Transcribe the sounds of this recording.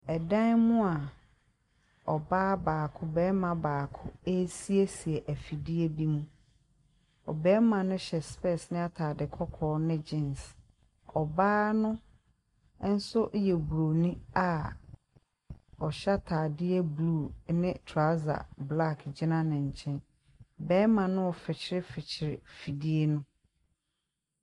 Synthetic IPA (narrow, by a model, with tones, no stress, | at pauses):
ɛ˨dã˦nm̃ʊ̃˦a˨ | ɔ˨baː˦baː˨kʰʊ˦bɛː˨˦mã˨baː˨kʰʊ˦e˦si˦e˦si˨ɛ˨ʔæ˨fi˨dɪ˦ɛ˦bi˦mũ˦ | ɔ̰˨bɛː˦mã˨nʊ̃˦ɕɛ˨spɛ˦˨snɪ̃˦a˦tʰaː˨dɪ˨kʰɔ˦kʰɔː˨˦nɪ̃˦d͡ʑɪ̃˦ns | ɔ˨baː˦nʊ̃˦ | n̩˦sʊ˦ʔjɛ˨bu˨ɾo˨nũ˦a˨ | ɔ˨ɕɛ˦tʰaː˨dɪ˦ɛ˦bluː˦˨nɪ̃˦tʰɾa˦za̰˨bla˦˨kʰd͡ʑɪ˦nã˦nɪ̃˨ɲ̩˨t͡ɕʰɛ̃˦n | bɛː˦mã˨nʊ̃˦ɔ˨fɪ˨t͡ɕʰɪ˦ɾɪ˦fɪ˨t͡ɕʰɪ˨ɾɪ˨fi˨di˦e˦nʊ̃˦